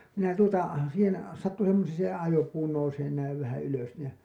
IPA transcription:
minæ tuotɑ siːhen sɑtːu semːoseː se ɑjopuː nouseːn næiʋ ʋæhæ yløs ni jɑ

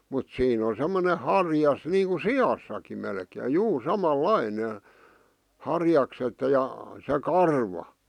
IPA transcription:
mut siːn o semːone hɑrjɑs niːŋku siɑsːɑki melkeː juː sɑmɑlɑine hɑrjɑkset jɑ se kɑrʋɑ

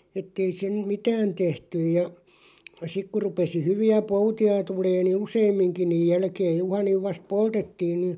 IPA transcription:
etːei sen mitæːn tehtyj jɑ sik kur̆ rupesi hyʋiæ poutiɑ tuleː ni useːmˑiŋki niːj̆ jælkeːj juhɑniʋ ʋɑst poltetːiːn ni

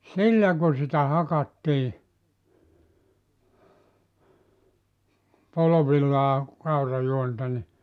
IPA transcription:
silːæ ku sitæ hɑkɑtːiː poloʋilːɑː kɑurɑjuontɑ ni

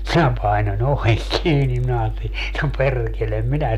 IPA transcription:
minæ pɑinonʲ oʋeŋ kiːni minæ ɑːteli no perːkelem minæ

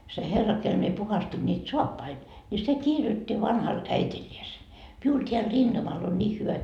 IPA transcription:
se herːɑ kel mie puhɑstin niːt soɑpːɑi nʲi se kirjotːi ʋɑnhɑl æitilʲːiese miul teæl rintɑmɑl on nʲiːh hyʋæ

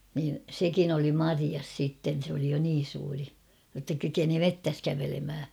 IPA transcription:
niːn̞ sekin oli mɑriɑs sitːen̞ sĕ oli jo niːn̞ suːri jotːɑ kykeni metːæs kæʋelemhæ

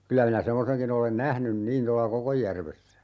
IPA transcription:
kylæ minæ semːoseŋkin olen næhnym niːn tolːɑ kokojːærʋesːæ

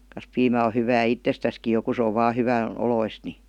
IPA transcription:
kɑs piːmæ o hyʋæː itːestæski jo ku se oʋ̆ ʋɑː hyʋæn̞ oloist ni

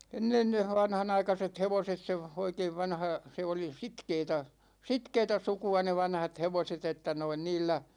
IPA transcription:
enːen ne ʋɑnhɑnɑikɑset heʋoset se oikeiʋ ʋɑnhɑ se oli sitkeːtæ sitkeːtæ sukuɑ ne ʋɑnhɑt heʋoset etːæ noin niːlːæ

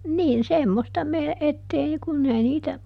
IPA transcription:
niːn semːostɑ me etːei kunː ei niːtæ

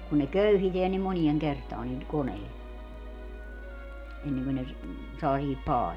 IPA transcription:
kun ne køyhiteæn ni monieŋ kertɑːn niːl koneil enːeŋkø ne s sɑː sihip pɑːliː

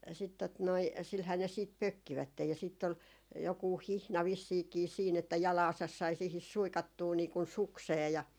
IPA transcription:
sit tot noi silhæː ne siːt pøkːiʋætːej jɑ sitː ol jokuːh hihnɑ ʋisːiːkiː siːn etːæ jɑlɑːsɑs sɑi siːhis suikɑtːuː niː kun sukseː jɑ

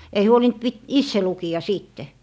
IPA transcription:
ei huolint pit isːe lukiɑ siːtːe

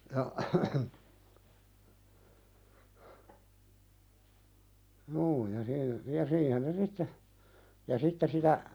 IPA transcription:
jɑ juː jɑ siː jɑ siːhen ne sitːe jɑ sitːe sitæ

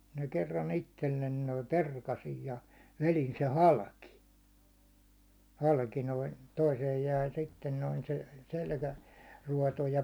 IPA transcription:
mi̥n̥æ kerːɑn itːelːen noim perkɑsij jɑ ʋelin se hɑlki hɑlki noin toiseːj jæi sitːen noin se selkæruɒto jɑ

